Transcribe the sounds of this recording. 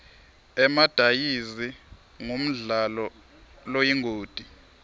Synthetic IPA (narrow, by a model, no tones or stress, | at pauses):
ɛmad̥ʱajizi | ŋum̩ɮalɔ | lojiŋʱoːd̥ʱi